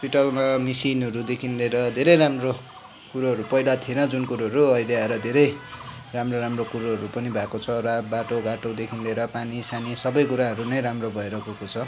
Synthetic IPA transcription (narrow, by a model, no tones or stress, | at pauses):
ʌspiʈʌlmamisinʌɾud̪ekʰinleɾʌd̪ʱeɾʌjɾamro | kuɾaɦʌɾupʌilat̪ʰienʌd͡zunkuɾaɦʌɾuʌjleaɾʌd̪ʱeɾʌj | ramroɾamrokuɾoɦʌɾupʌnibʱakot͡sʰʌrabaʈoɡaʈod̪ekʰinleɾʌpanisanisʌbʌjkuɾaɦʌɾunʌjɾamrobʱʌeɾʌkukot͡sʰʌ